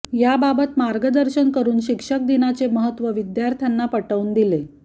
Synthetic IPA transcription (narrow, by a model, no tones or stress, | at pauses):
jababət̪maɾɡəd̪əɾɕənkəɾuːnɕikʂək̚d̪inat͡seməɦət̪ʋəʋid̪jaɾt̪ʰjanːapəʈəund̪ile